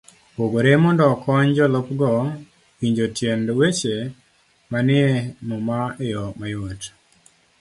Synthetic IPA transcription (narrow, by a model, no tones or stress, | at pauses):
poɡoɾemɔndɔkʰɔɲd͡ʒɔlɔpɡɔ | wiɲd͡ʒotjendwet͡ʃe | manɪemɔmaɛjɔmajot